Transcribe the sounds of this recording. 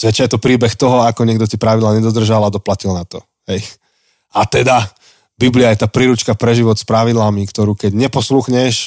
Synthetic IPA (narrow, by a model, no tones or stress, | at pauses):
zʋɛt͡ʃajɛt̪ɔpɾiːbɛxt̪ɔɦɔakɔɲɪɛɡd̪ɔtɛpɾaʋid̪laːɲɛd̪ɔd̪r̩ʒalad̪ɔplacilnat̪ɔ | ɦɛj | ʔat̪ɛd̪a | bibliajɛt̪aːpɾiɾut͡ʃkapɾɛʒiʋɔt̪spɾaʋid̪lamikt̪ɔɾuːkɛɟɲɛpɔsluxɲɛʃ